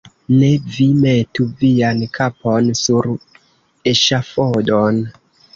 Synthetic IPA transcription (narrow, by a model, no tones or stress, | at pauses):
ne̞vimetuviankʰaponsuɾ | eʃafodon